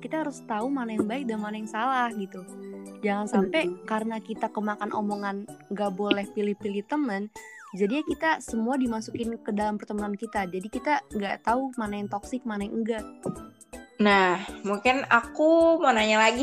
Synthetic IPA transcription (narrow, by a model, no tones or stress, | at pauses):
kit̪aɦaɾʊst̪aumanajaŋbaɪk̚daləmanajaŋsalahɡit̪ud͡ʒaŋansampɛkaɾənakit̪akəmakanʔo̰moŋanŋɡaʔbolɛhpilɪhpiliht̪əmənd͡ʒadiakit̪asəmuadimasukɪnkədalampərt̪əmənankit̪ad͡ʒadikit̪aŋɡaʔt̪aumanajaŋt̪oksɪk̚manajaŋ̩ɡaʔ | nahmuŋkɪnakumonaɲalaɡi